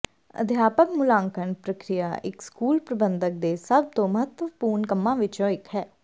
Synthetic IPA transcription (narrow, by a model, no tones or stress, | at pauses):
ə̰d̪ʱjaːpəkmʊlãːŋkənpɾəkɾɪja̰ːʔɪkskuːlpɾəbənd̪ək̚d̪eːsəb̚t̪õːməɦət̪əʋpuːɾɳkəmːãːʋɪt͡ʃõːɪkɦɛː